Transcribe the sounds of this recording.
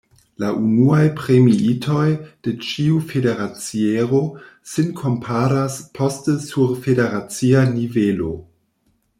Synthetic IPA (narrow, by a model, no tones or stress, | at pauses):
laʔunuajpɾe̞miitʰo̞jd̥et͡ʃiufedeɾat͡sieɾo̞senkʰo̞mpʰaɾaspʰo̞stəsuɾfedeɾat͡sianivelo̞